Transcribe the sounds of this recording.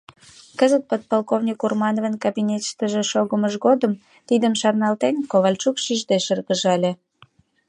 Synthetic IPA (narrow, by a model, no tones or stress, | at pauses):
kəzət̪̚pət̪̚polkovnʲikurmɑnovənkabinʲet̪ʃt̪əʒĕʃoɣəməʒɣod̪əm | t̪id̪əmʃɑrnɑlt̪enkoβɑlʲt͡ʃukʃiʒd̪eʃərɣəʒɑlʲe